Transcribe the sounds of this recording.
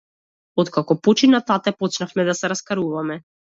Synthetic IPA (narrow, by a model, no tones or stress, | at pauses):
ɔt̪kakɔpɔt͡ʃinat̪at̪ɛpɔt͡ʃnafmɛd̪asɛɾaskaɾuvamɛ